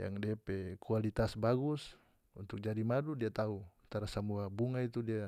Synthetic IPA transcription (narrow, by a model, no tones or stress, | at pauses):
ja̰ŋdiapɛkualit̪asbaɡus | unt̪uk̚d͡ʒadimadudiat̪auat̪aɾasamuabuŋait̪udia